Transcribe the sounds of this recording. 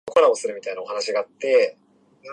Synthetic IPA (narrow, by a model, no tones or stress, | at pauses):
okoɾaosɨɾɯ̟mʲit̪ainao̞hanaɕiɡaːt̪ːe̞